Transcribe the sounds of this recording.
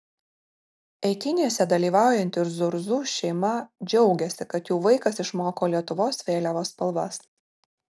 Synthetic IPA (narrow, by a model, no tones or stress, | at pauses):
ɛɪk̪ʲɪnʲisʲɛd̪ɐlʲiːʋɑˑʊjɛnʲt̪ʲɪɾzʊɾzuːʃʲɛɪmɐd͡ʒʲɛʊɡʲɛsʲɪkɐt̪juːʋɐɪkɐsɪʃmoːkoːlʲiɛt̪ʊʋoːsʋʲeːlʲɛʋoːspɐlˠʋɐs